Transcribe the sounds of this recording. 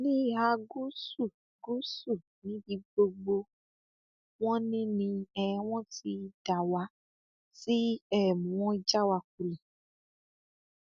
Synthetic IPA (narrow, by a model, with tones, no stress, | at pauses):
nĩ˦˨ɦa˧ɡu˦su˦˨ | ɡu˦su˦˨ | nĩ˨˦bi˧ɡ͡bo˧ɡ͡bo˧ | w̃ɔ̃˦nĩ˦nĩ˧ɛ˧˦w̃ɔ̃˦ti˧d̥a˨wa˧˦ | ti˦ɛ˦˨mũ˨wɔ̃˦i˦d͡ʒa˦wa˧k̚u˧li˨